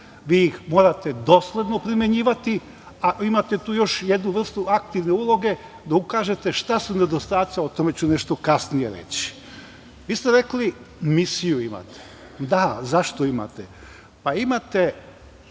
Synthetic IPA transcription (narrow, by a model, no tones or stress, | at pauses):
ʋiːjixmo̞ːɾat̪e̞d̪o̞sled̪no̞pɾimʲjeɲiːʋat̪i | aʔimat̪e̞t̪uːjo̞ʃje̞d̪nuʋr̩st̪uak̚t̪iʋne̞ulˠo̞ɡe̞ | d̪aukaːʒe̞t̪e̞ʃt̪asune̞d̪o̞st̪aːt̪siot̪o̞me̞t͡ɕuneʃt̪o̞kasnije̞ɾḛt͡ɕi̥ | ʋiːst̪eɾe̞kli | misijuima̰t̪e̥ | d̪azaʃt̪o̞ima̰t̪e | paimat̪e̞